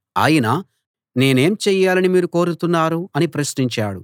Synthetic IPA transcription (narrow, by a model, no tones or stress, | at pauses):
a̰ːjina | ne̞ːne̞ːmt͡ʃɛːjaːlɐnimiːɾuko̞ːɾut̪unːaːɾuɐnipɾɐsniɲt͡ʃaːɽṵ